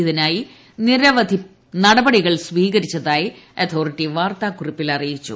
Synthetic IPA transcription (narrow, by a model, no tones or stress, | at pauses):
iðinaːji | niɾɐʋɐd̪ʱi | nɐɽɐbɐɽiɣɐɭsʋiːɣɐɾit͡ɕːɐðaːjiɐt̪ʰo̞ːriʈːiʋaːrt̪aːkuripːilɐrijit͡ɕːṵ